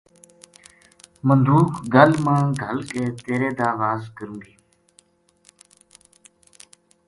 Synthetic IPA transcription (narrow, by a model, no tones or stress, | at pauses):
mənd̪ʱuːkɡəlmãːɡʱəlkeːt̪eːɾeːd̪aːʋaːzkəɾə̃ːɡiː